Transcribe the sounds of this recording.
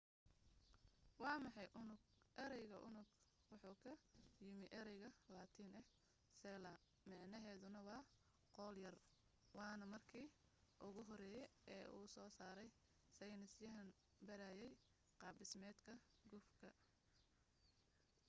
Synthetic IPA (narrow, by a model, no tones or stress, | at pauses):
wɑːmɑħɑjʔʊnʊɡʔɛɾɛjɣɐʔʊnʊɡ | wɑħuːkʰɐjɪmɪʔɛɾɛjɣɐlaːt̪ʰiːnɐh | sɛːlɐ | mɑʕnɐɦɛːðʊnɐwɑː | qɔːljɐr | wɑːnɐmɐrkʰiː | ʔʊɣʊɦɔɾɛːjɛʔɛːʔuːsɔːsaːɾɛj | sɐjnɪsjɐɦɐn | bɐɾaːjɛj | qɑːbɪsmɛːd̪kʰɐ | ɡʊfkʰɐ